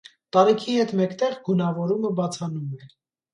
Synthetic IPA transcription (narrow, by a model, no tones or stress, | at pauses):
t̪ɑɾikʰihɛt̪mɛkt̪ɛʁɡunɑvɔɾuməbɑt͡sʰɑnumɛ